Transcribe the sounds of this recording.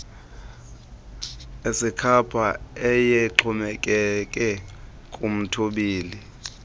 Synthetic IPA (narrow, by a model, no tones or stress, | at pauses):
esikʰapʰaɛjɛǃʰumɛkʼɛkʼɛ | kʼum̩tʰuɓiːli